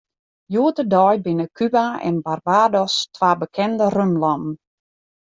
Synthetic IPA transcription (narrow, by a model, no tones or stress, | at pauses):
juətədɔjbɪnəkʰybaɛ̰nbarbaːdɔstʋaːbəkʰɛndərønlɔmn̩